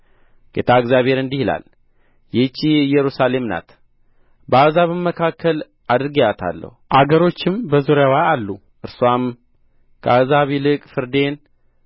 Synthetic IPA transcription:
ɡ̥et̪ʰaɨɡzjaβhe̞ɾɨnd̪ihila̰l | jɛt͡ʃːijɨjːɛɾusale̞mna̰t̪ | bəazaβɨmːəkʰakːəl | ad̪ɨɾɨɡəjat̪ʰa̰lːə̰huʔaɡəɾo̞t͡ʃːɪmbəzuɾjawaalːu | ʔɨɾsam | kʰəazaβilɨkʼfɨɾd̪e̞n

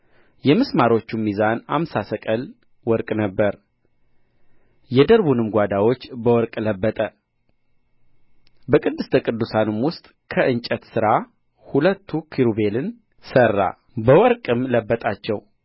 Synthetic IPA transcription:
jɛmɨsmaɾo̞t͡ʃːumːizana̰msasəkʼəl | wɔɾkʼnəbːəɾ | jɛd̪əɾbunɨmɡʷad̪awo̞t͡ʃːbəwɔɾkʼləbːət̪ʼə | bəkʼɨd̪ːɨst̪ʰəkʼɨd̪ːusanɨmwʊst̪ʼ | kʰəʔɨnt͡ʃʼət̪sɨɾa | hulət̪ʰːukʰiɾube̞lɨn | sərːa̰ | bəwɔɾkʼɨmləbːət̪ʼat͡ʃːɛw

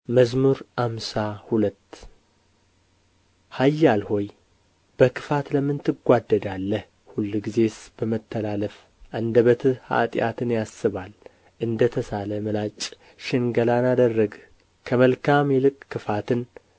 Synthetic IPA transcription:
məzmuɾʔamsahulət̪ː | hajːalho̞j | b̥əkʰɨ̥fat̪ləmɨnt̪ʰɨɡʷad̪ːəd̪alːəh | hulːɡize̞sb̥əmət̪ʰːəlaləf | ʔand̪əβət̪ʰɨha̰t̪ʼɪja̰t̪ʰɨnjasːɨβal | ʔɨnd̪ət̪ʰəsaləmɨlat͡ʃʼ | ʃɪŋɡəlanad̪ərːəɡ | kʰəməlkʰamjɛlɨkʼkːɨfat̪ʰɨn

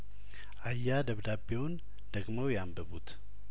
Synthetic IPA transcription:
ʔajːad̪əβd̪abewʊn | d̪̥əɡməwjɛambəβut̪ʰ

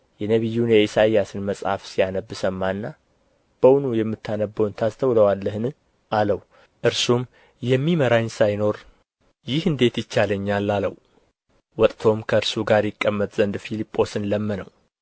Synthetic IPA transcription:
jɛnəβɨjːunjɛisaijasɨnməsʼha̰fsijanəbːɨsəmːanːa | b̥əwnujɛmːɨt̪ʰːanəbːəwnt̪ʰast̪ʰəwləwalːəhɨnɨ | aləw | ʔɨɾsum | jɛmːiməɾaɲsajno̞ɾ | jɪhɨnd̪e̞t̪jɪt͡ʃːaləɲːalːaləw | wɔt̪ʼt̪ʰo̞mkʰəɨɾsuɡaɾjɪkʼːəmːət̪zənd̪filipʼːo̞sɨnləmːənəw

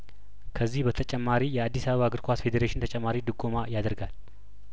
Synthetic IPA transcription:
kʰəzːihbət̪ʰət͡ʃʼɛmːaɾijɛad̪ːisaβəβaɡɨɾkʰʷasfe̞d̪eɾeʃɪnt̪ʰət͡ʃʼɛmːaɾid̪ɨɡʼomajad̪əɾɡal

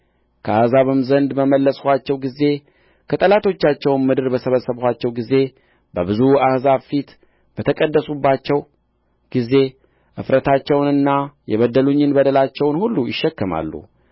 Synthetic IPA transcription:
kʰəahzaβɨmzənd̪bəməlːəshʷat͡ʃːɛwɡize̞ | kʰət̪ʼəlat̪ʰo̞t͡ʃːat͡ʃːɛwnmɨd̪ɨɾbəsəβəsːəβhʷat͡ʃːɛwɡize̞ | bəbɨzuahzaβfit̪ | b̥ət̪ʰəkʼəd̪ːəsubːat͡ʃːɛw | ɡ̥ize̞ | ʔɨfɾət̪ʰat͡ʃːɛwnɨnːajɛ̰βəd̪əluɲːɨnbəd̪əlat͡ʃːɛwnhulːujɪʃːɛkːəma̰lːṵ

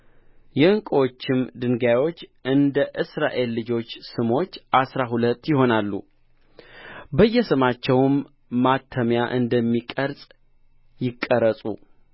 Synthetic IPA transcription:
jɛɨŋkʼwot͡ʃːɪmd̪ɨŋɡajwo̞t͡ʃːʔɨnd̪əʔɨsɾa̰ʔe̞lːɨd͡ʒo̞t͡ʃːsɨmo̞t͡ʃːʔasɾaɦulət̪ːjɪɦo̞nalːṵ | bəjːɛsɨmat͡ʃːɛwmː | at̪ʰːəmjaʔɨnd̪əmːikʼəɾsʼ | jɪkʼːəɾəsʼṵ

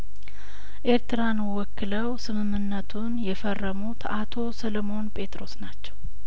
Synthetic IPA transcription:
ʔe̞ɾt̪ɨɾanwɔkːɨləwsɨmɨmːɨnːət̪ʰunjɛfərːəmut̪ʰat̪ʰo̞səlomo̞npʼe̞t̪ʼɾo̞snat͡ʃːɛw

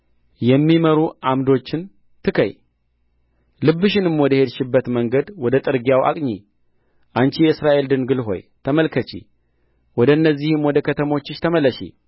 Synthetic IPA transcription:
jɛmːiməɾuʔamd̪o̞t͡ʃːɪn | t̪ʰɨkʰə̰j | lɨbːɨʃɪnɨmwɔd̪əhe̞d̪ʃɪbːət̪məŋɡəd̪wɔd̪ət̪ʼɨɾɡijawʔa̰kʼɲi | ʔant͡ʃijɛɨsɾaʔe̞ld̪ɨnɡɨlɦo̞̰jt̪ʰəməlkʰət͡ʃḭ | wɔd̪əɨnːəzːihɨmwɔd̪əkʰət̪ʰəmo̞t͡ʃːɪʃt̪ʰəməlːəʃḭ

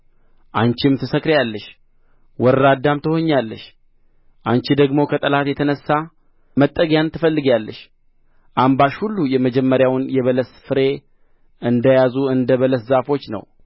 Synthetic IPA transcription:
ʔant͡ʃɪmt̪ʰɨsəkʼɾjalːəʃ | wɔɾɾad̪ːamt̪ʰɨho̞ɲːalːəʃ | ʔant͡ʃid̪əɡmo̞kʰət̪ʼəlat̪jɛt̪ʰənəsːa | mət̪ʼːəɡjant̪ʰːɨfəlːɨɡjalːəʃ | ʔambaʃhulːujɛməd͡ʒɛmːəɾjawnjɛβələsfɨɾe̞ | ʔɨnd̪əjazuɨnd̪əβələszafo̞t͡ʃːnə̰w

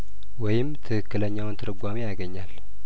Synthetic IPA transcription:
wɔjɪmt̪ʰɨkɨkːɨləɲːawʊnt̪ʰɨɾɨɡʷamijaɡəɲːal

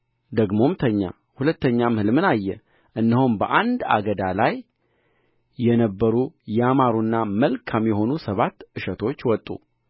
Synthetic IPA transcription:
d̪əɡmo̞mt̪ʰəɲːa̰ | hulət̪ʰːəɲːamhɨlmɨnajːɛ | ʔɨnːəhombəʔand̪a̰ɡəd̪alaj | ɛnəbːəɾujɛamaɾunːaməlkʰamjɛɦo̞nusəβat̪ːʔɨʃət̪ʰo̞t͡ʃːwɔt̪ʼːṵ

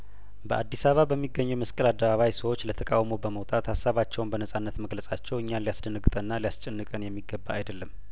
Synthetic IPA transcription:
bəʔad̪ːisaβabəmːiɡəɲːɛwməskʼəlad̪ːəβaβajsəwo̞t͡ʃːlət̪ʰəkʼawmowbəməwt̪ʼat̪hasːaβat͡ʃːɛwunbənəsʼanːət̪məɡləsʼat͡ʃːɛwɨɲːanlijasd̪ənɨɡɨt̪ʼənːalijast͡ʃʼɛnːɨkʼənjɛmːiɡːəbːaajd̪əlːəm

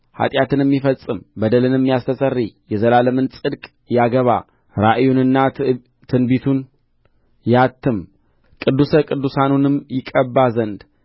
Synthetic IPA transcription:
ha̰t̪ʼjat̪ʰɨnɛmːifəsʼɨmbəd̪əlɨnɨmːjast̪ʰəsʼərːijɛzəlaləmɨnsʼɨd̪kʼ | jaɡəβa̰ | ɾaʔjunɨnːa | t̪ʰɨnbit̪ʰun | jat̪ʰːɨm | kʼɨd̪ːusəkʼɨd̪ːusanunɨmjɪkʼəbːazənd̪

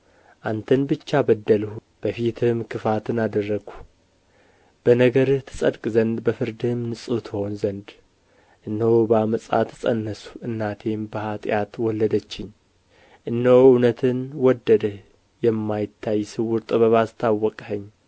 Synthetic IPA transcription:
ʔant̪ʰənbɨt͡ʃːabəd̪ːəlh | b̥əfit̪ʰɨmkʰɨfat̪ʰɨnad̪ərːəɡ̥u̥ | b̥ənəɡəɾɨht̪ʰɨ̥sʼəd̪kʼzənd̪bəfɨɾd̪ɨmnɨsʼut̪ʰɨho̞nzənd̪ | ʔɨnːəwobəaməsʼa̰t̪ʰɨsʼə̰nːəsu̥ʔɨnːat̪ʰe̞mbəhat̪ʼjat̪wɔlːəd̪ət͡ʃːɪɲ | ʔɨnːəwɨwnət̪ʰɨnwɔd̪ːəd̪əh | jɛmːajɪt̪ʰːajsɨwʊɾt̪ʼɨβəβast̪ʰawːɔkʼhəɲː

